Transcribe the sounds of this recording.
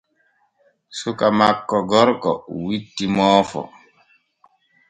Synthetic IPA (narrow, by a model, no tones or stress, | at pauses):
sukamakːɔɡɔɾkɔ̰witːimɔːfɔ̰